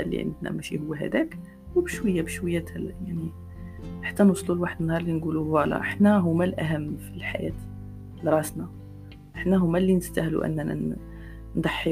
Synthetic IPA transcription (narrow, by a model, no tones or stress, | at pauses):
lːḭʕə̰nd̪næ̰mæʃihʊwːæɦæ̰d̪æk | wbəʃwəjːæbəʃwəjːæt̪hæljaʕni | ħḁt̪ːænwsˤlulwaħəd̪ənːhɑɾˤlinɡuluwælæ̰ʔəħnæɦʊmælʔæɦæmːfilħa̰jæ̰t̪ | lɾˤɑsnɑ | ʔəħnæɦʊmːælːinəst̪æhlṵʔæ̰nːæn̰ | nd̪ˤɑħːi